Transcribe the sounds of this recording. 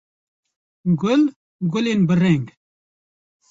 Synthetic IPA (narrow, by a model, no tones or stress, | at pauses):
ɡʊl | ɡʊleːnbɨrɛŋɡ